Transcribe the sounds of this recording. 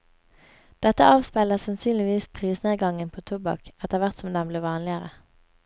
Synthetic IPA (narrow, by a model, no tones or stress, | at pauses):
d̪̥ɛt̪əɑːʋspæɪləʁsɑnsyːnlɪʋiːspʰʁiːsneːɡɑŋənpʰoːt̪ʰʊbɑ̰kɛt̪əʁʋæʁt̪sɔmd̪ɛmbleːʋɑːnlɪəʁə